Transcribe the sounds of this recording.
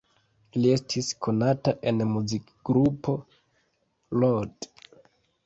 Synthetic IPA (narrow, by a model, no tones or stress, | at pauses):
lie̞stʰiskʰo̞nataʔe̞nmuzik | ɡɾupʰo̞ | lod